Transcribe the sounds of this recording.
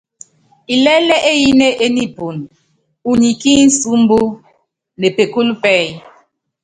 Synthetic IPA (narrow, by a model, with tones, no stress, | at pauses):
i˨lɛ˦lɛ˦ʔe˦ji˦ne˦ʔe˦ni˦˨pu˨n | u˨ɲi˨ki˦n̩˦su˦mbu˦ | ne˨pe˨ku˦lpɛ˦˨j